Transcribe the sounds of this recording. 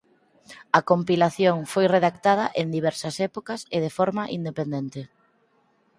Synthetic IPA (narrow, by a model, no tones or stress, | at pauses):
ɐkompilaθjoŋfojreðakt̪að̞ɐʔend̪iβ̞ɛɾsɐsɛpokɐseð̞efoɾmɐʔind̪epend̪ent̪ɪ